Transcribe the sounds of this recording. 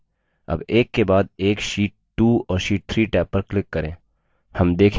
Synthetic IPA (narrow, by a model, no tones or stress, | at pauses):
ɐ̰beːkːebaːd̪eːkʃiːʈ̚ʈuɔːɾʃiːʈ̚t̪ʰɾiːʈɛːpːəɾklɪkːɐɾẽː | hɐmd̪eːkʰ